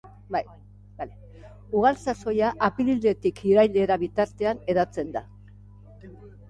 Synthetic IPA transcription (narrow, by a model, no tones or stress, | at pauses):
baj | ale | uɣalsaso̞jaʔːpilild̪e̞t̪ikʰiɾajld̪e̞ɾaβit̪aɾt̪e̞ane̞ðat͡se̞nd̪a